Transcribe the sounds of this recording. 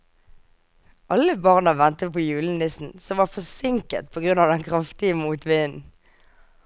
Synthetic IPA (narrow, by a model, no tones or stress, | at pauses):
ʔɑləbɑʁnəʋɛnt̪əpʰoːjʉːln̩nɪsn̩sɔmʋɑfɔsɪŋkə̰t̪̚pʰɔːɡʁʉnɑʋd̪ɛnkʰʁɑft̪ɪəmuːt̪ʋɪːən